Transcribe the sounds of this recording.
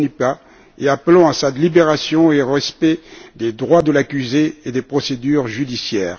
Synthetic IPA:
nipa | eaplɑ̃asat̪libeʁasjɔ̃eʁɛspɛd̪ed̪ʁwad̪əlakʲyzeːd̪epχɔsed̪yʁʒyd̪isjɛːʁ

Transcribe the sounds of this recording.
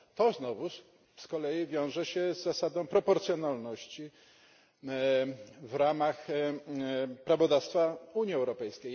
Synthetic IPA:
t̪ɔznɔvu | skɔlɛjivʲjɔ̃w̃ʐɛɕɛzːasad̪ɔ̃w̃pɾɔpɔɾt̪sʲjɔnalnɔɕt͡ɕi | vɾamax | pɾavɔd̪afst̪fauɲiɛwɾɔpɛjskʲej

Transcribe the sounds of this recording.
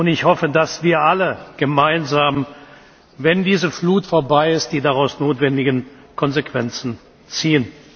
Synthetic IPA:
ʔʊntɪçhɔfədasv̥iːɐʔaləɡ̥əmaɪnzaːm | vɛndiːzəfluːtfoːɐbaɪɪst̚d̥iːdaʁaʊsnoːtv̥ɛndɪɡən | kʰɔnzekv̥ɛnt͡sn̩ | t͡siːən

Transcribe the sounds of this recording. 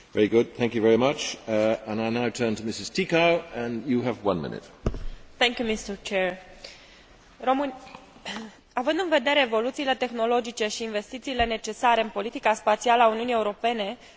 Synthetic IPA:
vɛɹiɡʊd̪̚θæ̃ŋkjɨvɛɹimʌt͡ʃə̃naɪnaʊtʰɜ̃˞ntʰəmɪsɨz̥tʰikaʊə̃njɨːvwʌ̃nmɪ̰̃nɪ̰t̚θɛŋkʲjumist̪əɹt͡ʃeɹ | romɨn | avɨnd̪ɨnve̞d̪e̞ɾe̞ːvo̞lut̪siːle̞t̪e̞xno̞lo̞d͡ʒit͡ʃe̞ʃiːnve̞st̪it̪siːle̞ne̞t͡ʃe̞saɾe̞ɨnpo̞lit̪ikaspat̪sialəauniunie̞uɾo̞pe̞ne̞

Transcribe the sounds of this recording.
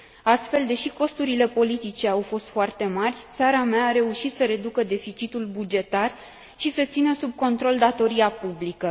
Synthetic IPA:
ast̪fe̞ld̪e̞ʃiko̞st̪uɾile̞po̞lit̪it͡ʃe̞awfo̞st̪foart̪e̞marʲt̪saɾameaːɾe̞uʃit̪səɾe̞d̪ukəd̪e̞fit͡ʃit̪ulbud͡ʒe̞t̪ar | ʃisət̪sinəsub̚ko̞nt̪ɾo̞ld̪at̪o̞ɾiapublikə

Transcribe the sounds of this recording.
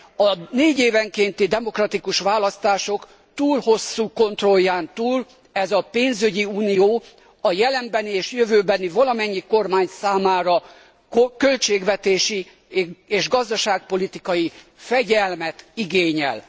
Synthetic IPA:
ɒneːɟeːvɛŋkent̪id̪ɛmo̞krɒt̪ikuʃʋaːlɒst̪aːʃo̞k | t̪uːlho̞sːuːko̞nt̪ro̞jːaːnt̪uːl | ɛzɒpeːnzyɟiuːnijoː | ɒjɛlɛmbɛnieːʃjøvøːbɛnivɒlɒmɛɲːiko̞rmaːɲsaːmaːɾɒ | kølt͡ʃeːɡʋɛt̪eːʃi | eːʒɡɒzd̪ɒʃaːk̚po̞lit̪ikɒjifɛɟɛlmɛt̪iɡeːɲɛ̰l

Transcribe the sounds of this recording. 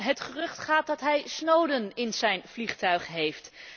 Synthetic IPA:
ɦətχərɵχtχaːt̚dɑtɦɛjsnowdənɪnzɛjnv̥liχtœɥχɦejft

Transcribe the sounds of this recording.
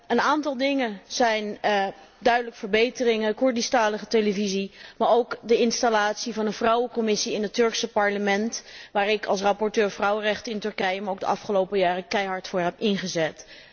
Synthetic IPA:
ənaːntɑlˠdɪŋəz̥ɛjn | dœɥdələkfəɹbejtərɪŋəəkʊɹdistaːləχətejləvizimaːɹowkdəɪnstalaːtsivɑnənvrʌwəkɔmɪsiɪnətɵɹksəpɑɹləmɛntʋaːɹɪkʰɑlˠs̬rɑpɔɹtøːɹvrɑwərɛχtəɪntɵɹkɛjəmaowkɡdə̰ʔɑ̰fχəlowpəjaːrəkɛjɦɑɹtfʊːɹɦɛpɪnχəzɛt

